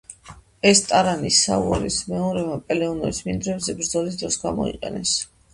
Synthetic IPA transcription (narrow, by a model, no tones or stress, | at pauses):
ɛst̪ʼaɾanisːa̰uɔɾismɛɔɾɛmapʼɛlɛɔnɔɾismind̪ɾɛbzɛbɾd̪zɔlis̬d̪ɾɔsɡamɔ̰ḭqʼɛnɛs